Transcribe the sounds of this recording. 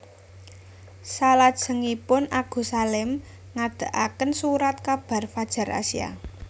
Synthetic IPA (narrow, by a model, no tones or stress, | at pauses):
salad̥ʒ̥ə̤ŋipʊnaɡ̥o̤salɪm | ŋad̪̥a̤ʔakənsuɾat̪̚kab̥ä̤rfad̥ʒ̥ä̤ɾa̰sija̰